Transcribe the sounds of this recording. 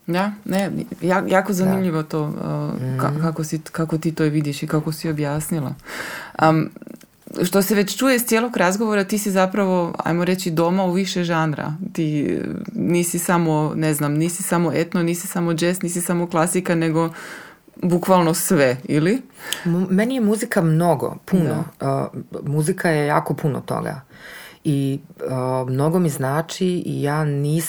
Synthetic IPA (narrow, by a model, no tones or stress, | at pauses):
d̪anejajaːko̞zanimʎiʋo̞t̪oːə̰ka̰kakosikakot̪iːt̪oʋid̪jiʃikakosiobjaːsnilˠa̰ | ʃt̪o̞seʋet͡ɕt͡ʃujest̪jeːlˠoɡɾazɡoʋoɾat̪iːsizapɾaʋo̞a̰jmoɾet͡ɕid̪o̞mauʋiʃeʒanɾa̰t̪iː | niːsisamoneznamniːsisamo̞e̞t̪noniːsi̥samo̞d͡ʒesniːsisamo̞klˠasikane̞ɡo̞ | bukʋalˠnosʋe̞ili | menijemuzikamno̞ɡo̰puno̰ | muzikajejaːkopʰuno̰t̪o̰ɡa̰ | iəmno̞ɡomiznaːt͡ʃiḭjaːniːs